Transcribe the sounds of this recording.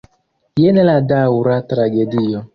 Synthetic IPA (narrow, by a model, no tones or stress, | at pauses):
jenɛladawʊɾatɾaɡedijɔ